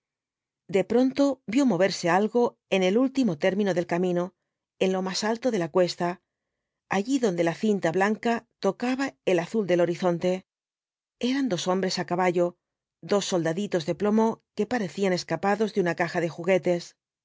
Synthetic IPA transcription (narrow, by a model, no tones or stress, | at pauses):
d̪e̞pɾo̞nt̪o̞bjo̞mo̞β̞e̞ɾse̞alɣo̞ | e̞ne̞lult̪imo̞t̪e̞ɾmĩno̞ðe̞lkamĩno̞ | e̞nlo̞masalt̪o̞ðe̞lakwe̞st̪a | aʝiðo̞nd̪e̞laθint̪aβlaŋkat̪o̞kaβae̞laθuld̪e̞lo̞ɾiθo̞nt̪e̞ | e̞ɾand̪o̞so̞mbɾe̞sakaβaʝo̞ | d̪o̞sːo̞ld̪aðit̪o̞zðe̞plo̞mo̞ke̞paɾe̞θiane̞skapaðo̞zðeunakaxaðe̞xuɣe̞t̪e̞s